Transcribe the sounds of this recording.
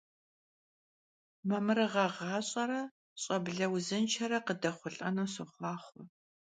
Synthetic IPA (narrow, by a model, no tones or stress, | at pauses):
mɐmɨɾɨʁɐʁɑːɕʼɐɾɐ | ɕʼɐbɮɐwzɨnt͡ʃʰɐɾɐqədɐχʷʊɬʼɐnusɨχʷɑːχʷʊɔ